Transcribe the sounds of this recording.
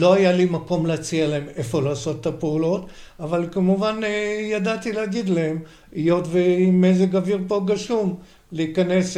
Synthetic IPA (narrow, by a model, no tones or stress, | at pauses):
lo̞ajalimako̞mleat͡sialaemefo̞laːso̞t̪ːapeulo̞t̪ | avalkamuvanjadat̪ileaɡid̪laem | ijotveimezeɡaviʁpo̞ɡaʃum | leikane̞s